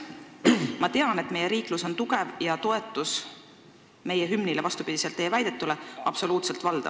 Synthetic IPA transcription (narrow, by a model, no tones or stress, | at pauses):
mɑt̪e̞ɑne̞t̪ːˑme̞je̞ɾiːkluso̞nt̪uɡ̥e̞vjɑt̪o̞e̞t̪ːˑus | me̞jeɦymnilevɑst̪upid̪̥ise̞lt̪ːˑeːvæjd̪̥e̞t̪ːˑuleɑb̥so̞luːt̪se̞lt̪vɑld̪̥ɑ̰̥